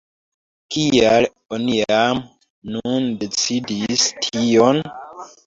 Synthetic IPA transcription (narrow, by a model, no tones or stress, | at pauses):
kial | oniam | nunde̞t͡sidistʰion